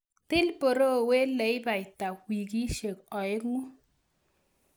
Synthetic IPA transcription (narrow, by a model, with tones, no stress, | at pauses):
tɪ˦lpo˨ɾo˦˨we˦lɛ˨ɪ˦ba˨ɪ˨ta˨wi˨k̬i˦ʃe˨kɔ˨ɪ˦kŋu˦